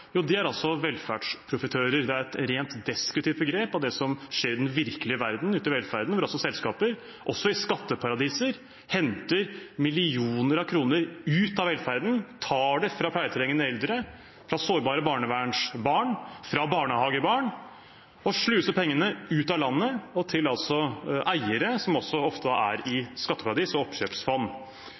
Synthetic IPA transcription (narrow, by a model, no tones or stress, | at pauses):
juːd̪ɛæɾɑlsɔʋɛlːfæɖʂpʰɾʊfət̪ʰøːɾəɾd̪ɛæɾɛt̪ɾeːnt̪d̪ɛskɾʉt̪ɪʋt̪̚bəɡɾeːpɑʋd̪ɛsɔmʂeːɾɪd̪ɛnʋɪɾkəlɪəʋæɾd̪n̩ʉːt̪ɪʋɛlfæɾd̪n̩ʋʊɾɑlsɔsɛlskɑːpəɾ | ʔɔsɔɪskɑt̪ːəpʰɑɾɑd̪iːsəɾ | hɛnt̪əɾmɪlɪuːnəɾɑʋkʰɾuːnəɾʉːt̪ɑʋɛlfæɾd̪n̩t̪ʰɑːɖɛfɾɑːpʰlæɪət̪ʰɛɾɛŋːənəɛld̪ɾə | fɾɑsoːɾbɑːɾəbɑːɳəʋæːɳʂbɑːɳfɾɑbɑːɳəhɑːɡəbɑːɳ | ɔʂɭʉːsəpʰɛŋːənəʉːt̪ɑlɑnːəɔt̪ʰɪlɑlt̪sɔʔæɪəɾəsɔmɔsːɔɔft̪əd̪ɑ̰æ̰ɾɪskɑt̪ːəpʰɑɾɑd̪iːsɔɔpɕøːpsfɔnː